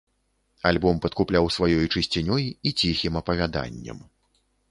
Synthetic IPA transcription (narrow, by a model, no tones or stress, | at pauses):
alʲbɔmpɐt̪̚kuplʲawsvajɔjut͡ʂɨsʲt͡sʲinʲɔjit͡sʲixʲimɐpɐvʲad̪a̰nʲːɐ̰m